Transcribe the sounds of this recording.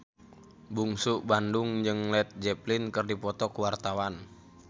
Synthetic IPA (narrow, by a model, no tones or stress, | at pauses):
buŋsuʔbandʊŋd͡ʒɨŋlɛt̪̚d͡ʒɛplɪnkɨrdipɔt̪ɔkwart̪awan